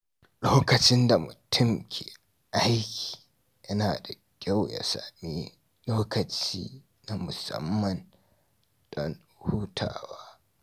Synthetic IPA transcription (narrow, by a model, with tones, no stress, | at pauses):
loː˦kɐ˨t͡ʃɪ˦nda˨mʊ˨tʰʊ˦mkʲʰeː˨ | ʔa˦jkʲi̥ː˨ | jɐ˦naː˨da˨ | kʲa˦wja̰˨sa̰˨miː˦ | loː˦kɐ˨t͡ʃiː˦ | na˨mʊ˨sɐ̰˦mːɐ˨n | dɔ˦n | huː˦tʰa̰ː˨waː˦